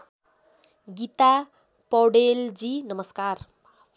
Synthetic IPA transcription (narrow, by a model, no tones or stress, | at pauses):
ɡit̪a | pʌɽeld͡zinʌmʌskar